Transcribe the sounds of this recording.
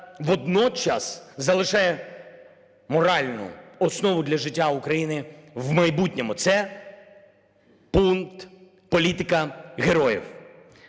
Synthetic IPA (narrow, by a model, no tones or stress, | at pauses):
ʋɔd̪nɔt͡ʃɑ̰szɐlˠɪʃɛjɛ | mɔɾɑlʲnʊ̰ɔsnɔʋʊd̪lʲɐʒɪtʲːaukɾɐjinɪʋwmɐjbutʲnʲɔmʊt̪sɛ | punkt̪ | pɔlʲit̪ɪkɐɦeɾɔjḭw